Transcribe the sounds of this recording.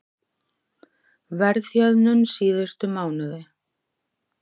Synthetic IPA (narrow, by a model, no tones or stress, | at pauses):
vɛɾðθjœðnʏnsiːðʏst̪ʏmaːwnʏðɪ